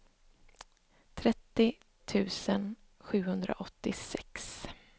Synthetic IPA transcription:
t̪ʰɾɛt̪ːɪ | t̪ʰʉ̟ːsən | ɧʉ̟ːhɵnd̪ɾa̰ʔɔt̪ːɪsɛks

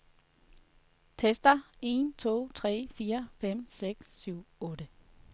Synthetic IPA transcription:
t͡sʰesd̥ɐe̝nt͡sʰo̝̰ːt͡sʰʁɛ̰ːfiːɐfem̰seɡ̥sːyʊ̰ɔ̽ːɾ̥ə

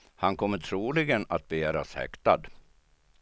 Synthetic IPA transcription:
hankʰɔmːət̪ʰɾuːlɪɡənat̪̚bɛjæːɾashɛ̰kt̪ad̪

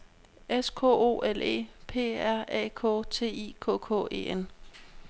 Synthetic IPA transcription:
eskʰɔ̰ːo̝̰ːʔele̝̰ːpʰe̝̰ːæɐ̰ɛ̰ːkʰɔ̰̽ːt͡sʰe̝̰ːḭːkʰɔ̰ːkʰɔ̰̽ːe̝̰ːen

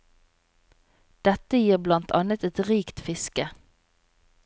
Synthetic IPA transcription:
d̪̥ɛt̪əjiːʁblɑnt̪ʰɑ̰nət̪ɛt̪ʁiːkt̪fɪskə

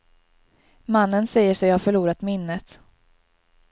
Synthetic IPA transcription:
manːənsɛjːəʂɛjhafœɭuːɾat̪mɪnːət̪

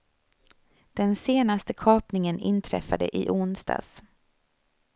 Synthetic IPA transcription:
d̪̥ɛnseːnast̪əkʰɑːpnɪŋənɪnt̪ʰɾɛ̰fːad̪ə̰ʔɪʔʊnsd̪ɑ̰ːs

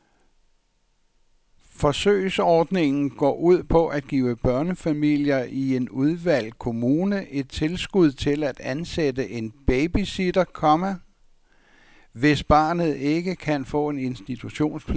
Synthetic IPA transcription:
fɒ̽sø̰ːɪsɒːd̥ne̝ŋn̩ɡ̥ɒ̰ːʔuð̞̰ˠpʰɒ̽ʔæd̥̚ɡ̥ḭːʊəb̥ɶɐnəfæmil̰jɐʔie̝nuð̞ˠʋæl̰kʰo̝muːnəʔe̝d̥̚t͡sʰe̝lsɡ̥uð̞̰ˠt͡sʰe̝læd̥ænsed̥əʔe̝nb̥eɪb̥isid̥ɐkʰɒ̽mæ | ʋe̝sb̥ɑ̈ːnð̞̩ˠe̝ɡ̥əkʰænfɔ̰̽ːe̝ne̝nsd̥it͡sʰuɕo̝̰ːnspʰ

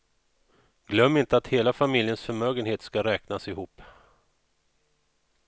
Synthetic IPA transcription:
ɡ̥lœmːɪnt̪əat̪heːlafamɪljənsfœɾmøːɡənheːt̪skaɾɛːknasɪhuːpː

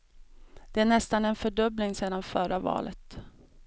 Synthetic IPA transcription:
d̪̥ɛæɳɛst̪anɛnfœɖœblɪŋseːd̪anfœɾavɑ̰ːlət̪

